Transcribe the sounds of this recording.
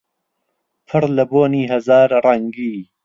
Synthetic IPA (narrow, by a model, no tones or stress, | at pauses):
pʰɨɾlɐboːniːɦɐzaːɾrɐŋɡiː